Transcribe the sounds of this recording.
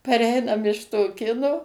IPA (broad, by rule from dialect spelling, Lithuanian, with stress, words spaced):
pɐˈrʲɛɪnɐm ɪʃ toːˈkʲɪnoː